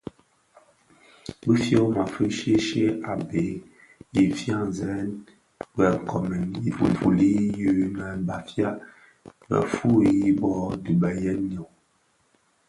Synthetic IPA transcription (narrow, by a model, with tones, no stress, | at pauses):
bi˦fjo˦ma˨fə˦ʃe˦ʃe˦a˨be˨ | i˨fjã˦˨zɛ˨ɛ˦n | ɡɛ˨ŋ˨kʰɔ˨mɛ˨ni˨ṵ˨m˨pu˨li˦jʉ˦nɛ˨˦ba˨fja˦ | mə̰˨fu˦˨ji˦bɔ˦du˨ba˨jɛ˦n˦ɲɔ˨